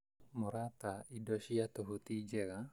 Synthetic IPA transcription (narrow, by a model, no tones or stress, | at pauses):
mɔɾat̪aidɔsiat̪ɔɦut̪id͡ʒɛka